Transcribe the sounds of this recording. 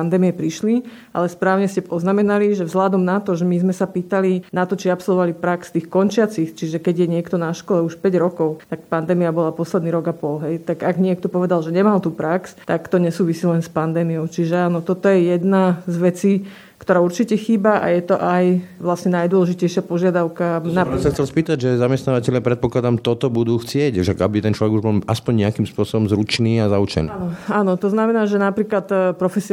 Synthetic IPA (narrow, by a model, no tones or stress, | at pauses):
and̪ɛːmiɛpɾiʃli | ʔa̰lɛspɾaːʊɲɛscɛpɔznamɛnaliʒɛvzɦlad̪ɔmnat̪ɔʒɛmizmɛsapiːt̪alinat̪ɔt͡ʃiapsɔlˠʋɔʋalipɾakst̪iːxkɔnt͡ʃɪat͡sixt͡ʃiʒɛkɛɟjɛɲɪɛkt̪ɔnaʃkɔlɛuʃpɛɟɾɔkɔʊt̪ak̚pand̪ɛːmiabɔlapɔslɛd̪niːɾɔɡapɔlɦɛjt̪aɡaɡɲɪɛk̚t̪ɔpɔʋɛd̪alʒɛɲɛmalt̪uːpɾakst̪akt̪ɔɲɛsuːʋisiːlɛnspand̪ɛːmijɔʊt͡ʃiʒɛaːnɔt̪ɔt̪ɔjɛjɛd̪nazʋɛt͡siː | kt̪ɔɾaːuɾt͡ʃicɛxiːbaʔa̰jɛt̪ɔʔajʋlasɲɛnajd̪ʊwɔlɛʒicɛjʃɪapɔʒɪad̪aʊkanasaxt͡sɛlspiːt̪aɟʒɛzamɛst̪naːʋacɛʎɪapɾɛt̪̚pɔklad̪amt̪ɔt̪ɔbud̪uːxt͡sɪɛcʃaɡabit̪ɛnt͡ʃlɔʋɛɡuʒbɔlaspɔɲɲɛakiːmspʊɔsɔbɔmzɾut͡ʃniːazaut͡ʃɛ̰ninɔaːnɔt̪ɔznamɛnaːʒɛnapɾiːklat̪pɾɔfɛsi